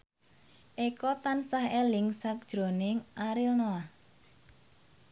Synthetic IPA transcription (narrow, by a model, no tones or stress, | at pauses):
ʔekɔt̪ansahelɪŋsak̚d̥ʒ̥ɾo̤nɪŋʔaɾɪlnoah